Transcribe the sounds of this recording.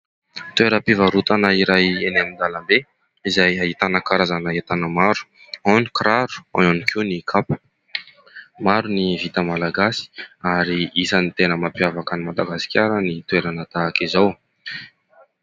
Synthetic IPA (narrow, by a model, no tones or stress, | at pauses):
t̪ueɾəpivaɾut̪anəiɾajenamind̪alambe | izajaɦit̪anəkaɾazanaɦet̪anəmaɾu̥ | ani̥kɾaɾu̥a̰nanikʲʰunikʰapə̥ | maɾunivit̪əmalaɡasi̥aɾiisənit̪enəmapjavakənimad̪aɡasi̥kʲaɾənit̪weɾanət̪aːkizaw